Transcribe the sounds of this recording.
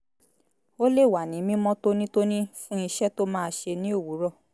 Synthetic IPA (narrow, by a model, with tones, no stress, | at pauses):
o˦le˦˨wa˨nĩ˨˦mĩ˦mɔ̃˦to˦nĩ˦to˦nĩ˦fũ˦i˧ʃɛ˦to˦mãː˦˧ʃe˧nĩ˦o˦˨wu˨˦ɾɔ˦˨